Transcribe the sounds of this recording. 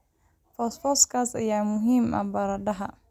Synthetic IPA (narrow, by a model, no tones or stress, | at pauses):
fɔsfɔskʰaːsɐjaːmʊɦiːmʔɐ̰bɐɾɐdɐɦɐ